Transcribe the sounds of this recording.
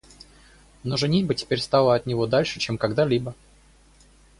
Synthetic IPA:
noʐɨnʲitʲbɨtʲɪ̥pʲeɾʲst̪ɑlˠəɐt̪nʲɪvod̪alʲʂɨt͡ɕemkɐɡd̪alʲibə

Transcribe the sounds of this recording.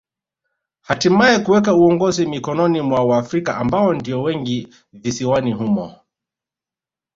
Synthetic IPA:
hatimaɛkuwɛkauɔŋɡɔzimikɔnɔnimwawaːfɾikaʔambaɔndiɔwɛŋɡi | visiwanihumɔ̰

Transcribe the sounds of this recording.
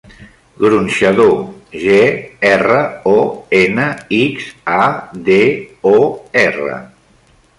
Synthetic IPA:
ɡɾunʃəðoʒeɛrəɔenəikzaðeɔɛrə̰

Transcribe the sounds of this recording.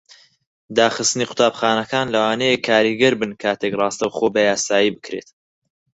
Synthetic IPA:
d̪aːχɨst̪ɨniːqʰʊ̥t̪ʰaːbχaːnɐkʰaːnlɐwaːnejekʰːaːɾiɡɐɾbɨnkʰaːt̪ʰekrˤɑːst̪ɐwχoːbɐjaːsaːjiːbɨkɾḛːt̪

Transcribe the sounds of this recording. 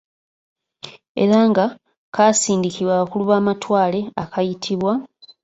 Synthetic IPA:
e̞̰ɾaːŋɡa | kasiːndikiβwaokuluβaːmatwaːle̞akʰajitʰiβwa

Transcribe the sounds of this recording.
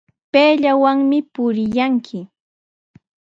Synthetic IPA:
peːʎawaŋmɪpʊɾɪjaŋkʰɪ

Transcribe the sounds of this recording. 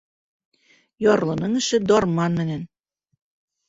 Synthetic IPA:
jɒrlˠɤ̆nɤ̆ŋɘ̆ʃɘ̆d̪ɒrmɑnmɘ̆nɘ̆n

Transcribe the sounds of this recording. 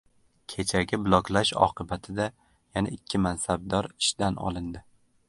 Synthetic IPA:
kʲʰe̞t͡ʃʰaɡʲablˠɒkʲlaʃɒ̰qʰɨbat̪ʰɪd̪a | janaʔɪkʲʰːɪmansab̚d̪ɒɾɪʃd̪anɒ̰lˠɪnd̪ɪ

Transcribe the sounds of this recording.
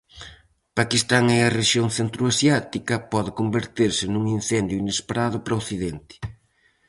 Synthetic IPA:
pakist̪aŋɛɐreʃjoŋθent̪ɾoasjat̪ikɐpɔðɪkombeɾt̪eɾsɪnuŋin̟θend̪jʊinespeɾaðʊpɾɐoθiðɛnt̪ɪ̥

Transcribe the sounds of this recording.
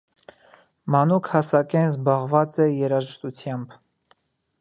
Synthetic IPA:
mɑnukʰhɑsɑkɛnzbɑʁvɑt͡sɛjɛɾɑʒəʃt̪ut͡sʰjɑmb

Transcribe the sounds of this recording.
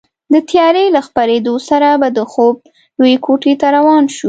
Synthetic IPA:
d̪ət̪jɑɾelaxpaɾed̪osaɾabad̪əxob̚ | jwekʰoʈet̪aɾawɑnʃu

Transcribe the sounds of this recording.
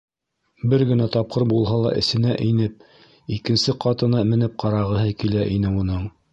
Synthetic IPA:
bɘɾɡɘ̆næt̪ɑp̚qɤɾbulˠɦɑlˠɑ̰ʔɘ̆sɘ̆næʔinɘp̚ | ikɘ̆nsɘqɑt̪ɤ̆nɑmɘ̆nɘp̚qʰɑɾɑʁɤ̆ɦɤkilæʔinɘunɤɴ

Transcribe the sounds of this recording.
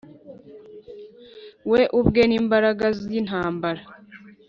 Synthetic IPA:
we̞ʔubɡeniːmbaɾaɡazinhaːmbaɾa

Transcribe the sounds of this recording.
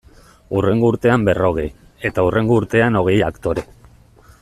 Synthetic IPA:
ure̞ŋɡouɾt̪e̞ambe̞ro̞ɣ̞ej | e̞t̪aurʔe̞ŋɡouɾt̪e̞ano̞ɣ̞e̞ja̰kt̪o̞ɾe

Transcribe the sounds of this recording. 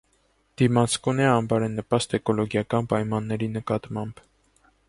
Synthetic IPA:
d̪̥imɑt͡skunɛɑmbɑɾɛnːəpɑst̪ɛkʰɔlɔɡjɑkɑnpɑjmɑnːɛɾinəkɑt̪mɑmb̥

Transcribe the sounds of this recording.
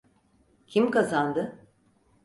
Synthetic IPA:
cʰimkazand̪ɯ

